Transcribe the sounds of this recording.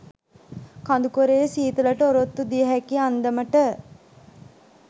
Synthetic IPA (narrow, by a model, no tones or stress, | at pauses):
kand̪ukoɾeːsiːt̪ulɐʈəoɾot̪ːud̪ijəɦækiand̪ɐməʈə